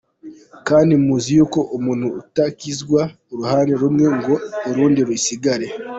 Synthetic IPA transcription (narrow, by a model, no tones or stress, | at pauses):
kaːndimuːzijuːko̞ʔmuːn̥huṵtakizɡwa | oɾuhaːneɾumŋe̞ŋɡo̞oɾuːndiɾwisiɡaɾe̞